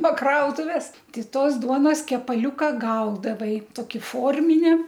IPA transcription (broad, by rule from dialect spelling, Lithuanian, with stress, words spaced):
noː ˈkrɐʊtʊʋʲɛs ˈtʲɪ ˈtoːs ˈduɔnoːs kʲɛpɐˈlʲʊkɐ ˈɡɐʊdɐʋɐɪ ˈtoːkʲɪ ˈfoːrʲmʲɪnʲɛ